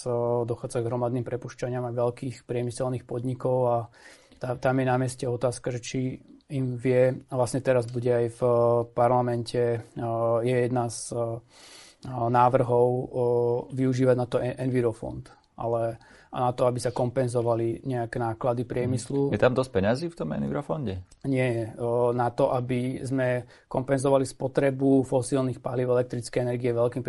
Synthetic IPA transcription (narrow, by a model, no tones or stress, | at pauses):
d̪ɔxaːd͡zaɡɦɾɔmad̪niːmpɾɛpuʃcaɲɪamaʋɛlkiːxpɾɪɛmisɛlniːxpɔd̪ɲikɔʊa | t̪at̪amjɛnamɪɛscɛɔt̪aːskaʒɛt͡ʃiimʋɪɛʋlasɲɛt̪ɛɾazbuɟɛajfpaɾlamɛncʰɛ | jɛjɛd̪naz | naːʋr̩ɦɔʊ | ʋiuʒiːʋaɟnat̪ɔɛʔɛnʋiɾɔfɔ̰nt̪ | ʔa̰lɛ | a̰nat̪ɔabisakɔmpɛnzɔʋaliɲɛakɛnaːklad̪ipɾɪɛmislujɛt̪amd̪ɔsc̚pɛɲaziːft̪ɔmɛ̰nʋḭɾɔfɔnɟɛ | ɲɪɛɛnat̪ɔʔabizmɛ | kɔmpɛnzɔʋalispɔt̪ɾɛbufɔsilnixpaliʊɛlɛk̚t̪ɾit͡skɛjɛnɛɾɡiɛʋɛlkiːm